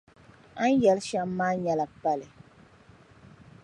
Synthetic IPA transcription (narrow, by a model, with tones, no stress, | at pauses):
a˦n˦jɛ˨lʃa˦m˦maː˦ɲɛ˦la˨pa˦lɨ˨